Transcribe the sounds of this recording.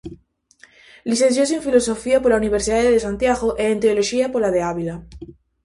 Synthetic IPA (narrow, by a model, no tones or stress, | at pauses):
liθen̟θjosoeɱfilo̞so̞fiapoɾlauniβ̞eɾsiðaðeðesant̪jaɣoʔeːnt̪eoloʃiapolaðeaβila